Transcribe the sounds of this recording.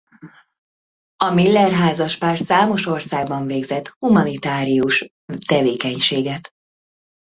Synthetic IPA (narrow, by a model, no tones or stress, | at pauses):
ɒmilːɛrɦaːzɒʃpaːrt̪saːmo̞ʃo̞rsaːɡbɒɱveːɡzɛt̪humɒnit̪aːɾijuʃ | t̪ɛveːkɛɲʃeːɡɛt̪